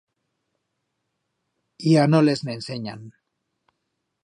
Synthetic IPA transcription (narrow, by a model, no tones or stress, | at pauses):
ianoleznense̞ɲa̰n